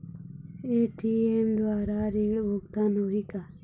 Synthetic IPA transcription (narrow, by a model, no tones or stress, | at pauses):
eːʈʰieːmd̪waːɾaːɾiːɽbokt̪aːnoːɦikaː